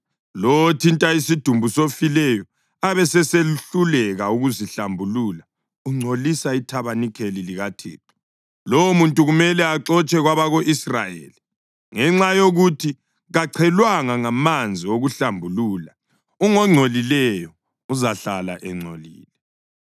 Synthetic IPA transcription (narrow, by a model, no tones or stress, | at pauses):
lotʰintʼaisid̥ʱumbʱusofilɛjɔ | aβɛsɛseɬulɛɣauɣuziɬambʱuluːla | uŋ͡ǀʱolisaitʰaβanikʰeliliɣatʰḛːǁɔ̥ | lomuntʼuɣumɛlɛaǁɔt͡ʃʼɛɣwaβaɣoʔisra̰jḛːli | ŋɛŋ͡ǁajoɣutʰi | ɣaǀʰɛlwaŋaŋamand͡zʱioɣuɬambʱuluːla | uŋɔŋ͡ǀʱolilɛjɔ | uzaɬala̰ʔɛŋ͡ǀʱolḭːlɛ